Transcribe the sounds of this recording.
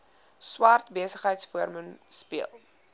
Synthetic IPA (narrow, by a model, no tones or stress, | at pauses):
swɐrtbiəsəχɦəjtsfuəɾmənspiəlˠ